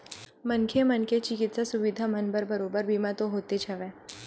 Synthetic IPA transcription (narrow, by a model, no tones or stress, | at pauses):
mənkʰemɐnket͡ʃɪkɪt̪sasʊʋid̪ʱamɐnbəɾbɐɾoːbəɾbʱiːmãt̪oɦoːt̪et͡ʃʰaʋẽː